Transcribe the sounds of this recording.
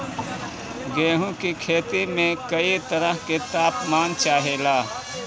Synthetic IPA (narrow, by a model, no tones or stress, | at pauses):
ɡeːɦũkikʰeːt̪imẽkɐit̪əɾəɦket̪aːpmaːnt͡ʃaːɦelaː